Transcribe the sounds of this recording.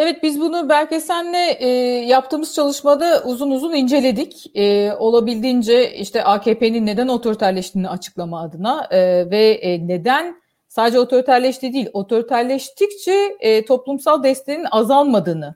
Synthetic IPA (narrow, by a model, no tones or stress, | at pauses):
evɛt̪̚bizbunubælʲce̞sænːɛʔjap̚t̪ʰɯːmɯz̥t͡ʃʰalˠɯʃmad̪aʔuzunuzunind͡ʒe̞lʲe̞d̪ic | ɛo̞lˠabilʲd̪iːnd͡ʒɛḭʃt̪ʰɛʔaːcʰeːpeninːe̞d̪æno̞t̪ʰo̞ɾit̪ʰæɾlʲɛʃt̪ʰiːniat͡ʃʰɯ̥klˠamaːd̪ɯnavɛne̞d̪æn | saːd̪ed͡ʒɛo̞t̪ʰo̞ɾit̪ʰæɾlʲɛʃt̪ʰid̪iːlʲo̞t̪ʰo̞ɾit̪ʰæɾlʲɛʃt̪ʰict͡ʃʰɛːt̪ʰo̞plˠumsalˠd̪ɛst̪eninazalˠmad̪ɯːnɯ